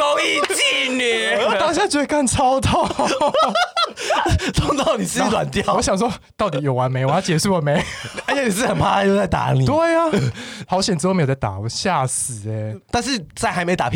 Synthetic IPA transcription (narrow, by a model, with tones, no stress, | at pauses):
ko˧˥ʊi˥˧t͡ɕi˥˧nɛ˨˩ɔ˨˩t̪a˥˩ɕja˥˩t͡ɕɥɛ˧˥d̪ə˧ka˥˩nt͡sʰɑ˥ʊt̪ɑ˥˩ | t̪ʰʊ˥˧˥ŋt̪ɑ˥˩ʊni˨˩s̩˥˩wa̰˨˩nt̪jɑ˥˨ʊwɔ˧˦ɕjɑ˨ŋʂwɔ˥t̪ɑ˥˩ʊt̪i˨˥jo˨˩wa˧˦nme˧˥ɪwt͡ɕjɛ˨˩ʂu˥˩wɔ˨˩˦me˧˦ɪə˧˦jɛ˧˥ni˨˩ʂɻ̩˥˩˧xə˨˩npʰa˥a˥˧jt͡sa˥˩ɪt̪a̰˨˥˦ni˨˩t̪we˥˩ɪa˩hɑ˧˥ʊɕjɛ˨nt͡s̩˧˥˧m˧˥jt͡sa˥˩t̪a̰˨˩˧ɕja˥˩sɹ̩˨˩˦ɛ˧˦t̪a˥˧nʂɻ̩˥˧t͡sa˥˧ɪxa˧˥ɪme˧˥˨a̰˨˩˥